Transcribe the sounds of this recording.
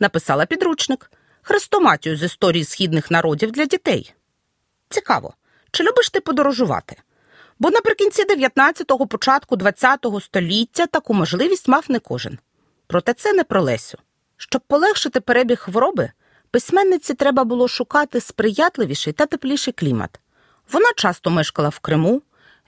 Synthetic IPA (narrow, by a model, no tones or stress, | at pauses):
nɐpɪsɑlˠɐpʲid̪ɾut͡ʃnɪk | xɾɪst̪ɔmɑtʲijʊzist̪ɔɾʲijisxʲid̪nɪxnɐɾʔɔdʲiwd̪lʲɐdʲit̪ɛ̰j | t͡sʲikɑ̰ʋɔ̰ | t͡ʃɪlʲubɪʃt̪ɪpɔd̪ɔɾɔʒʊʋɑ̰t̪ɪ̥ | bɔnɐpɾɪkʲinʲt͡sʲid̪eʋʲjɐt̪nɑt͡sʲːɐt̪ɔɦɔpɔt͡ʃɑt̪kʊd̪ʋɐt͡sʲːat̪ɔɦɔst̪ɔlʲitʲːɐt̪ɐkumɔʒlˠɪʋʲisʲtʲmɑfnɛkɔ̰ʒɪ̰n | pɾɔt̪ɛt̪sɛnɛpɾɔlˠɛ̰sʲʊ | ʃt͡ʃɔb̚pːɔlˠɛxʃɪt̪ɪpeɾɛbʲixxʋɔɾɔbɪ | pɪsʲmɛnːɪt͡sʲːit̪ɾɛbɐbʊlˠɔʃʊkɑt̪ɪspɾɪjɑt̪lˠɪʋʲiʃɛjt̪ɐt̪ɪplʲijʃɛjklʲimɐ̰t̪ | ʋɔnɑt͡ʃɑst̪ɔmɪʃkɐlˠɐwkɾɪmu